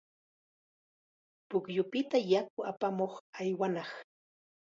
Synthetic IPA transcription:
pʊkjʊpɪt̪ajak̚ʊapamoχajwanɑχ

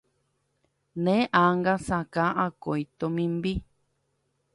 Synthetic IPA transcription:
nẽʔaŋɡasakãʔakoit̪omĩmbi

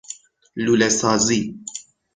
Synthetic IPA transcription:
lulɛsazi

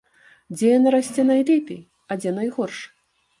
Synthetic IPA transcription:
d͡zʲɛjanaɾasʲt͡sʲɛnajlʲɛpʲḛj | ɐd͡zʲɛnajɣɔrʂ

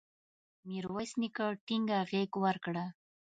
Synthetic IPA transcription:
miɾwasnikaʈɪŋɡaɣekwaɾkɽa

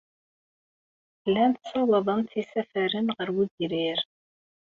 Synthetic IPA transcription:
lːænt̪sɑwɑðˤəmt̪isæfəɾənʁəɾwudiɾiɾ

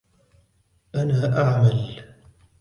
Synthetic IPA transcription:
ʔanaːʔaʕmal

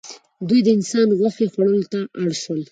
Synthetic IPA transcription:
d̪ujd̪əɪnsɑnɣwaxexwaɽəlot̪aʔaɽʃwəl

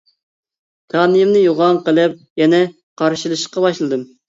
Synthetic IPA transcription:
k̪ʰɑːnɨjimnɨjoʁɑŋqəlˠɨp̚jɛnɛ | qʰɑɾʃilˠɨʃə̥qɑbɑʃlˠɨd̪ɨm

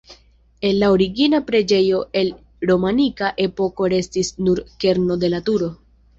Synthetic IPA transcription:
e̞nlaoɾiɡinapɾe̞d͡ʒe̞jo̞ʔe̞l | ɾo̞manikaʔe̞po̞ko̞ɾe̞stisnuɾke̞ɾno̞de̞latuɾo̞

